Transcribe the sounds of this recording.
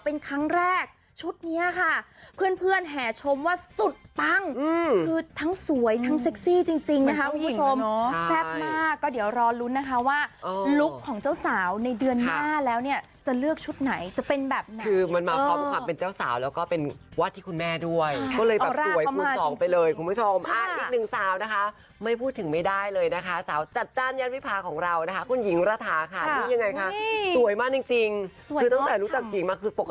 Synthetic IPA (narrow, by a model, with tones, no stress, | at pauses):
pe˧nkʰɾa˦˥ŋɾɛː˥˩k̚ | t͡ɕʰu˦˥t̪̚ni˦˥ɐkʰa˥˩pʰɯ˥˩ənpʰɯ˥˩ənɦɛː˩˦t͡ɕʰo˧mwaː˥˩su˨˩t̪̚pa˧˥˩ŋɯː˧kʰɯː˧t̪ʰa˦˥ŋsu˨˩˦əjt̪ʰa˦˥ŋse˦˥k̚siː˥˩t͡ɕi˧ŋt͡ɕi˧ŋna˦˥kʰa˦˥kʰu˧˦mʰu˥t͡ɕʰo˧m˦sɛ˦˥˩p̚maː˥˩kːɔː˥˩di˩˦əwɾɔː˧lu˦˥na˦˥kʰa˦˥waː˥˩oː˧lu˦˥kʰːɔː˩˦ŋt͡ɕa˥˩wsaː˩˦wna˧jdɯ˧ənnaː˥˩lɛː˦˥wni˥˩ɐ | t͡ɕa˨˩lɯ˥˩ək̚t͡ɕʰu˦˥t̪̚na˩˦jt͡ɕa˨˩pe˧nbɛː˨˩p̚na˨ɯː˧ma˧nmaː˧ɔ˦mkʰwaː˧pe˧nt͡ɕaː˥˩wsa̰ː˩˦wlɛː˦˥wkɔː˥˩pe˧nwaː˦˥˩t̪ʰːiː˥˩kʰu˧nmɛː˥˩du˥˩əjɔː˥˩lɤː˧jɛ˨˧˩a˥˦əjku˧sɔː˩˦ŋpa˧jlɤː˧jkʰu˧mpʰu˦˥˩t͡ɕʰo˧mʔʔaː˧˩ʔiː˨k̚nɯ˨˩ŋsaː˨˩˦wna˦˥kʰa˦˥ | ma˥˩jpʰuː˥˩t̪ʰɯ˩˦ŋma˥˩jdaː˥˩jlɤː˧jna˦˥kʰa˦˥saː˩˦wt͡ɕa˨˩t̪̚t͡ɕaː˥˩njaː˦˥nwi˦˥pʰaː˧kʰɔː˩˦ŋɾa˧wna˦˥kʰa˦˥kʰu˧nji˨˩˦ŋɾaː˧t̪ʰaː˩˦kʰa˥˩˧i˧˥ja˧ŋːa˧jkʰa˦˥su˨˩˦əjmaː˧˥˩t͡ɕi˧ŋt͡ɕi˧ŋ˩ | ɯː˧t̪a˥ŋt̪ɛː˨˩ɾu˦˥t͡ɕa˨˩k̚t͡ɕi˨˩ŋmaː˧kʰɯː˧po˨˩kː